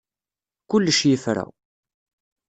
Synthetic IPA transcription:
kʊlːəʃjifɾæ̰

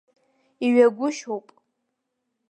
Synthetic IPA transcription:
iɥaɡʷʊʃowpʼ

